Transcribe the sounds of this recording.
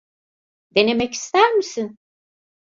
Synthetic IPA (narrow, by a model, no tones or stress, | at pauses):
d̪̥e̞ne̞mɛci̥st̪ʰæɾmisin